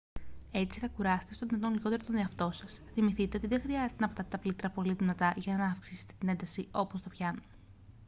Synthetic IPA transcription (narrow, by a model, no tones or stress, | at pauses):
e̞t͡siθɐkuɾɐse̥t̪e̞st̪oðinɐt̪onliɣo̞t̪e̞ɾot̪o̞ne̞ɐft̪o̞sɐsθimiθit̪e̞o̞t̪iðẽ̞xɾiɐzet̪enɐpot̪ɐt̪et̪ɐplit̪ɾɐpo̞liðinɐt̪ɐʝɐnɐːfksise̞̥t̪e̞t̪ine̞nd̪ɐsio̞po̞st̪o̞pçɐno